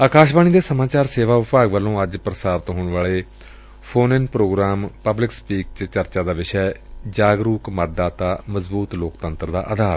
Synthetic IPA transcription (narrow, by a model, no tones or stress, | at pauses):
aːkaːʃbaːñiːd̪eːsəmãːt͡ʃaːɾseːʋaːʋɪpaːɡʋəlːõːəd͡ʒpɾəsaːɾt̪ɦoːɳ̃ʋaːɭeː | pʰoːnɪnpɾoːɡɾaːmpəblɪkspiːkt͡ʃt͡ʃəɾt͡ʃaːd̪aːʋɪʃɛːd͡ʒaːɡɾuːkmət̪̚d̪aːt̪aːməzbuːt̪loːkt̪ənt̪ɾd̪a̰ːʔaːd̪ʱaːɾ